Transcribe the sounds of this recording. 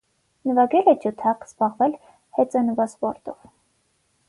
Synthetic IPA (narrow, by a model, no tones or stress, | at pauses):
nəvɑɡɛlɛd͡ʒut̪ʰɑqz̥bɑʁvɛl | hɛt͡sənvɑspɔɾt̪ɔv